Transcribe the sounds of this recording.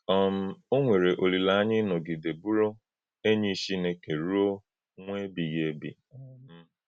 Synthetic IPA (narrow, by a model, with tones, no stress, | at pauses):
ɔ˦m̩˨o˦ŋʷe˨ɾe˨ʔo˨li˨la˨˦a˦ɲɪ˦nɔ˨ɡɪ˨de˨bu˦ɾo˦ | e˦ɲi˦ʃi˦ne˨ke˨ɾu˦o˦ | ŋʷe˦bi˨ɣe˦bḭ˨˦